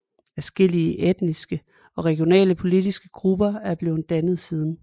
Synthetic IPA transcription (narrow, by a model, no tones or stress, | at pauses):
æɐsɡ̥e̝l̰iəʔed̥nisɡ̥ə | ɒ̽ʁɛɡ̥jo̝nɛ̰ːləpʰo̝lid̥isɡ̥əɡ̥ʁub̥ɐæɐb̥le̝ːʊn̩d̥ænð̞̩ˠsiːð̞ˠn̩